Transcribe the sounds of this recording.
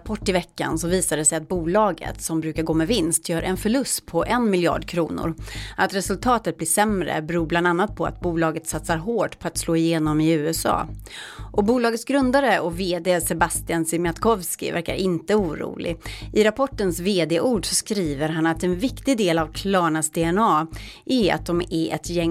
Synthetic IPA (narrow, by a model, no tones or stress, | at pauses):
pʰɔʈːɪvɛkːa̰nsɔviːsad̪əsɛjat̪̚buːlɑːɡə̰t̪sɔmbɾʉ̟ːkaɾɡoːmɛvɪnst̪ʰjœːɾʔɛnfœɭɵst̪pʰɔʔɛnmɪljɑ̰ːɖkʰɾuːnʊ̰ɾʔat̪ɾɛsɵlt̪ʰɑːt̪ət̪̚bliːʂɛmɾə̰bɛɾuːbland̪anːat̪̚pʰɔa̰t̪̚buːlɑːɡət̪sat̪saɾɦoːʈpʰɔat̪sloːɪjeːnɔmɪʉ̟ːɛsɑ̰ː | ʔɔbuːlɑːɡət̪sɡɾɵnd̪aɾəʔɔveːd̪eːsɛbast̪ɪansɪmjat̪kʰɔvskɪ̰væ̰ɾka̰ɾʔɪnt̪əuːɾṵːlɪ̰ʔɪɾapʰɔʈːənsveːd̪eːʔuːɖʂɔskɾiːvəɾɦanat̪ɛnvɪkt̪ɪɡd̪eːlavkʰlɑːɳasd̪eːɛnɑːʔɛa̰t̪̚d̪ɔmæɛ̰t̪jɛŋ